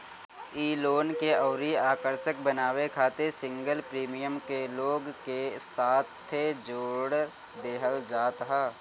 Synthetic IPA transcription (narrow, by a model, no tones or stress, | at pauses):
iːloːnkeɔːɾiaːkəɾʃək̚bənaːwekʰaːt̪esɪ̃ŋɡəlpɾiːmijəmkeloːɡkesaːt̪ʰed͡ʒoːɽ | d̪eːɦəld͡ʒaːt̪ɦaː